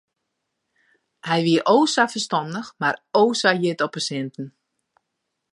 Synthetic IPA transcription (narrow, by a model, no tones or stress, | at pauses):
hɛjʋiəʔoːsafərstɔndəxmaroːsajɪtɔpəsɪntn̩